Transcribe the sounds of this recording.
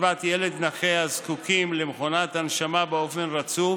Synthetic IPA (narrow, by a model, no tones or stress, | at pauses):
vat̪jele̞d̪naχejazkukʰimlemχonat̪anʃamabeo̞fe̞nʁat͡su